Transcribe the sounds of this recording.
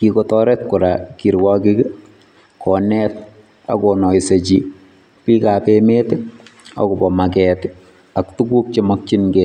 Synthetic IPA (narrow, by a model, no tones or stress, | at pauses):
kikɔtɔɾɛt̚kuɾakiɾwɔkik | kɔnɛt̚ | a̰kɔnɔjset͡ʃi | pikapemeta̰kɔbɔmakɛːt | aktukuk̚t͡ʃemɔk̚t͡ʃinɡe